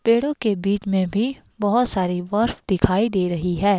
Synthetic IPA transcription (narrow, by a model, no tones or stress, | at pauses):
peːɽõkebiːt͡ʃmẽbʱi | bɐɦʊt̪saːɾiʋɐɾfd̪̥ɪkʰaːid̪eːɾɐɦiɦɛː